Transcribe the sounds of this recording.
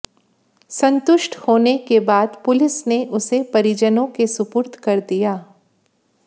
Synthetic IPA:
sɐ̃nt̪ʊʃʈʰhoːnekebaːd̪pʊlɪsneʔʊsepɐɾid͡ʒənõkesʊpʊɾt̪ʰkɐɾd̪ijaː

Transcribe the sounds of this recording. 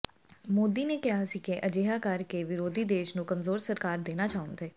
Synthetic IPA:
moːd̪iːnekɪɦaːsikeʔəd͡ʒeːɦakəɾkeʋɪɾoːd̪ʱiːd̪eːʃnũkəmzoːɾsəɾkaːɾd̪eːnat͡ʃaːʊ̃nd̪eː

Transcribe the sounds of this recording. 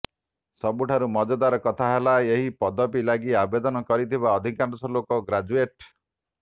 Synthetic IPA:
sɔbuʈʰaɾumɔd͡ʒɔd̪aɾɔkɔt̪ʰaɦelaeɦipɔd̪ɔpilaɡiabed̪ɔnɔkɔɾit̪ʰibaɔd̪ʱikanɖɔsɔlokɔɡɾad͡ʒueʈ

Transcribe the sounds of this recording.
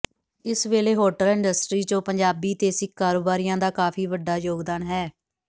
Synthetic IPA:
ɪsʋeːleːɦoːʈəlɪ̃ɳɖəsʈɾiːd͡ʒõːpəɲd͡ʒaːbiːt̪eːsɪkːaːɾoːbaːɾijãːd̪aːkaːpʰiːʋəɖːaːjoːɡd̪aːnɦɛː

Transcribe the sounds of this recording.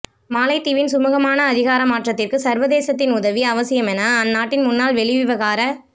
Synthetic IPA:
maːlɐɪt̪ːɪʋɪnsʊmʊɣɐmaːnɐːðɪɣaːɾɐmaːʈrɐt̪ːɪrkɯsɐɾʋɐðeːsɐt̪̬ːɪnʊðɐʋiɐʋɐsɪjɐmɛnaːnːaːʈːɪnmʊnːaːlʋɛɭɪʋɪʋɐɣaːɾɐ

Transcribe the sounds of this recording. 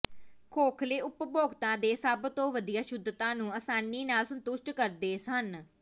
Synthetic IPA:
kʰoːkʰleːʔʊpboːɡt̪ãːd̪eːsəbt̪õːʋəd̪iːaːʃʊd̪ːt̪ãːnũːəsaːniːnaːlsənt̪ʊʃʈkəɾd̪eːsən

